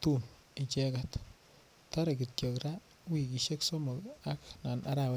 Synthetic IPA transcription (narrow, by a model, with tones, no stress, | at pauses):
tu˦m | i˨t͡ʃɛ˦ka˨t | ta˦ɾa˨ki˨t̚jɔ˨kɾa˦ | wi˨ki˨ʃe˦kso˦mɔ˨la˦kna˨na̰˦ɾa˨w